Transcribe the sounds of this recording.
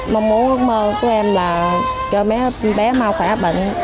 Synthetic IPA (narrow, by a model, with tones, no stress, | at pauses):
ma˧wŋ͡mmu˨˦nməː˧kɔ˨˦ʔɛ˧mlaː˨˩t͡ɕɔ˧mɛ˨˦ɓɛ˨˦ma˧wxwaː˧˩ɓə̰˧˨ŋ̟